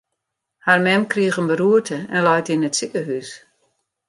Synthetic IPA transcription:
harmɛmkriəxənbəɾuətʰəɛnlɔjtinətsikəɦys

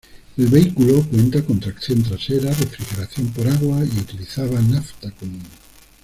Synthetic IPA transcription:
elβeikulokwent̪akont̪ɾakθjõnt̪ɾaʃeɾarefɾixeɾaθjompoɾaɣwaiut̪iliθaβanaft̪akomũn

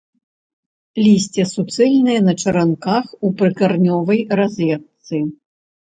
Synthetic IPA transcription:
lʲisʲt͡sʲɛsut̪sɛlʲnɨjɛnɐt͡ʂɐɾankaxupɾɨkarnʲɔvɐjrazʲvʲɛt̪sɨ

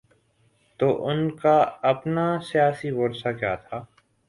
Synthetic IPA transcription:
t̪oːʔʊnkaɐpnasijaːsiboːɾsakjaːt̪ʰaː

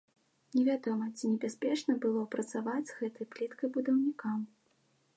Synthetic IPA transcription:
nʲɛvʲad̪ɔmɐt͡sʲinʲɛbʲasʲpʲɛt͡ʂnɐbɨlˠɔpɾɐt̪savad͡zʲzɣɛt̪ɐjplʲit̪kɐjbud̪ɐwnʲikam

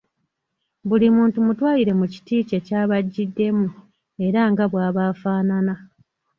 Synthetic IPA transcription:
bulimuːntumutwaːjiɾe̞muci̥tiːce̞caːβaɟːidːe̞mu | e̞ɾaŋɡaβwaːβaːfaːnana

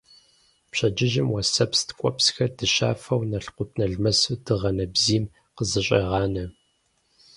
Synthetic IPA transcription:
pɕɐd͡ʒɪʒɪmwɐsɐpstkʷʼɔpsxɐdɨɕa̰ːfɐwnɐɬqʷʊtʰnɐɮmɐsɨdɨʁɐnɐbziːm | qəzɨɕʼɐ̰ʁɑːnɐ

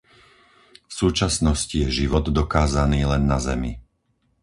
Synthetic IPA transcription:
fsuːt͡ʃasnɔscijɛʒiʋɔd̪d̪ɔkaːzaniːlɛnːazɛ̰mḭ

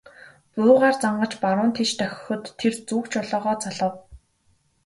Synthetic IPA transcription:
pʊːʁaːrt͡saɴɢə̆t͡ɕpaɾʊːnt̪ʰet͡ɕt̪ʰœxʲɪ̥̆xɵ̆t̪ʰːert͡suːkt͡ɕʰɔɮɔːʁɔːt͡saɮə̆w

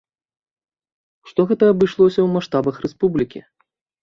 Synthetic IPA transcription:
ʂt̪ɔɣɛt̪ɐːbɨʂlˠɔsʲɐwmaʂt̪abɐxrɛspublʲikʲḭ

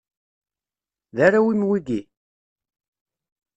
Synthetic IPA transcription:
ðæɾawimwiɡi

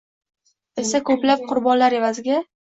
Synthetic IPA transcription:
e̞sakʰɵplap̚qʰʊɾbɒnlaɾe̞vazɪɡʲa

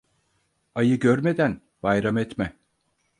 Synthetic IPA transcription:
ajɯɟøɾme̞d̪æn | b̥ajɾamɛt̪mɛ

